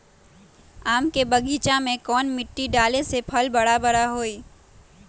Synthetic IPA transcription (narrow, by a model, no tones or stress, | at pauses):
aːmkebɐɡiːt͡ʃamẽkɔːnmɪʈːiɖaːlesepʰɐlbɐɽabɐɽaɦoːiː